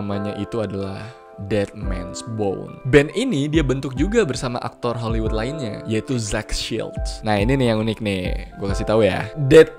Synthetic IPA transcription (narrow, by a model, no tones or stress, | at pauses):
maɲaʔit̪uadalah | dɛt̪̚mɛ̰nsbo̰wnbɛninidiabənt̪ʊk̚d͡ʒuɡabərsama̰ʔa̰k̚t̪ɔrɦoliwut̪̚laɪnɲa̰jait̪uzakʃḭlt̪̚nahininɪjaŋunɪk̚nɪɡuakasit̪auja̰dɛt̪̚